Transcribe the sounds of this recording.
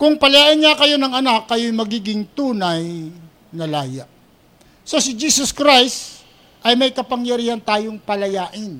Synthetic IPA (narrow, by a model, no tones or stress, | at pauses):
kʊŋpɐlɐjaːʔɪnŋakɐjo̞nɐŋɐnakːɐjʊjmɐɡiːɡɪŋt̪uːnɐj | nɐlaːja̰ʔ | so̞sɪd͡ʒiːsoskɾajst̪ | ʔɐjmɐjkɐpɐŋjɐɾiːhɐnt̪aːjoŋpɐlɐjaːʔɪn